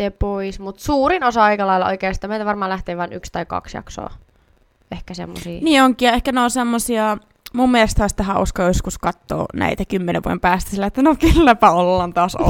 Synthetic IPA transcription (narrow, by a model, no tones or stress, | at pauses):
epoismut̪suːɾinosɑɑikɑlɑilɑo̰ikeːsit̪æmeit̪æʋɑrmɑːlæht̪eːʋʋɑˑnykst̪ɑikɑ̰ksjɑ̰kso̰ː | ehkæsḛmːo̰siːniːoŋkiɑehkæneonsemːosiɑ | mummielest̪hɑist̪æɦæʔo̰skɑjoskuskɑt̪ːo̰ːnʔæ̰it̪ækymːeneʋṵo̰empæːst̪æ̥silːæet̪ːænokelːæpæolːɑːnt̪ɑːso̰